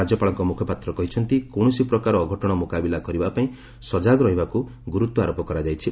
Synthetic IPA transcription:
ad͡ʒjɔpaɭɔŋkɔmukʰɔpat̪ɾɔkɔɦit͡ʃʰɔnt̪ikoɳ̃ɔsipɾɔkaɾɔːɡʱɔʈɔɽ̃ɔmukabilakɔɾibapaĩ | sɔd͡ʒaɡɾɔɦibakuɡuɾut̪wɔaɾopɔkɔɾad͡ʒajt͡ʃʰi

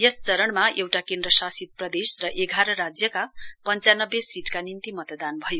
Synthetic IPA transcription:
jʌst͡sʌɾʌɳmaʔewʈakẽnd̪ɾʌsasit̪̚prʌd̪esrʌʔeɡʱaɾʌɾad͡zjʌkapʌnt͡sanʌbːjesiʈkanint̪imʌt̪d̪anbʱʌjo

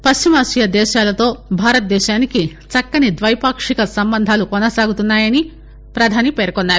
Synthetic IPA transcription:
pɐʃt͡ʃimaːsijɐd̪ɛːʃaːlɐt̪o̞ːbʱaːɾɐt̪̚d̪ɛːʃaːnikit͡ʃɐkːɐnid̪ʋɐjpaːkʂikɐsɐmbɐnd̪ʱaːlukɔnɐsaːɡut̪unːaːjɐni | pɾɐd̪ʱaːnipeːɾkonːaːɾu

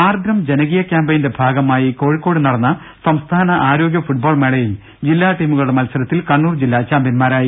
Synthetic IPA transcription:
aːrd̪ɾɐmd͡ʑenɐɣiːjɐkjaːmbɐjinde̞bʱaːɡɐmaːjiko̞ːɻikːo̞ːɽɨnɐɽɐnːɐ | sɐmst̪ʰaːnɐʔaːɾo̞ːɡjɐfuʈ̚bo̞ːɭmeɭɐjim | d͡ʑilːaːʈiːmuɣɐɭuɽe̞mɐlsɐɾɐt̪ːilkɐɳːuːrd͡ʑilːat͡ɕaːmbinmaːɾaːji

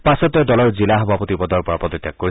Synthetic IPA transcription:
pasɔt̪ɔd̪ɔlɔɹd͡ʒilaɦɔbʱapɔt̪ibɔd̪ɔɾpɔɹapɔd̪ɔt̪ːakkːɔɾi

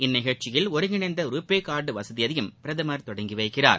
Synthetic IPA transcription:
ɪnːɪɣɐɻt͡ʃɪjɪlɔɾɯŋɪɳɐɪnd̪ɐɾuːpːeːkːaːɾɖɯʋɐsɐðɪjɐðɐjɯmpɪɾɐðɯmɐɾt̪ɔɽɐŋɡɪʋɐɪkːɪra̰ːɾ

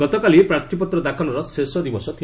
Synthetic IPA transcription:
ɡɔt̪ɔkalipɾat̪ʰipɔt̪ɾɔd̪akʰɔnɔɾɔsesɔd̪ibɔsɔt̪ʰi

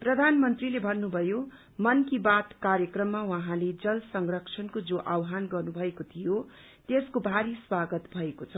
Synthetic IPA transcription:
prʌd̪ʱanmʌnt̪rilebʱʌnːubʱʌjo | mʌnkibat̪kaɾjʌkrʌmːawʌɦãled͡zʌlsʌŋrʌkt͡sʰʌnkod͡zoʔawɦanɡʌrnubʱʌekot̪ʰijo | t̪eskobʱaɾiswaɡʌt̪bʱʌekot͡sʰʌ

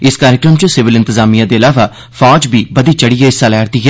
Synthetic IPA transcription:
ɪskaːɾɪkɾəmt͡ʃəsɪʋɪlɪ̃nt̪ɪzaːmijãːd̪eːəlaːʋaː | fʰaːd͡ʒbʱiːbəd̪iːt͡ʃəɽiːɛːɪsaːlɛːɽt̪iːɦɛː

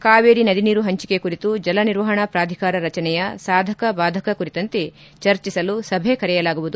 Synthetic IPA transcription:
kaːʋeːɾinɐd̪ʱiniːɾuɦɐɲt͡ʃi̥ke̞kuɾit̪ud͡ʒɐlɐniɾʋɐɦɐɳɐpɾaːd̪ʱikaːɾɐɾɐt͡ʃɐnɛjɐsaːd̪ʱɐkɐbaːd̪ʱɐkɐkuɾit̪ɐnt̪e̞ | t͡ʃɐɾt͡ʃisɐlusɐbʱekɐɾɛjɐlaːɡuʋud̪u

